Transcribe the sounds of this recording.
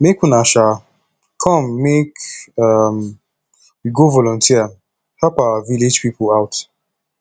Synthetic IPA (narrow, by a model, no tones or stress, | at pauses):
mekũnaʃa | kʰɔ̃mːekam | wiɡovɔlɔ̃ntʰiə | hɛpawəviled͡ʒpipəlaʊt